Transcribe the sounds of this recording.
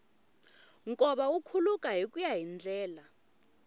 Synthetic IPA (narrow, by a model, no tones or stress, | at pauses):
ŋkʼɔɓaukʰulukʼaɦikʼujaɦind͡ɮʱɛːla